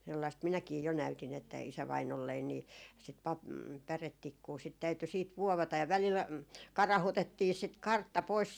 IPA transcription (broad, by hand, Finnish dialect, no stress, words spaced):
selːɑist minækiː jo næytin etːæ isæʋɑinolːein niː sit pɑp pæretːikːuː sit tæyty siːt ʋuoʋɑtɑ jɑ ʋælil ɑi kɑrɑhutetːiː sit kɑrtːɑ pois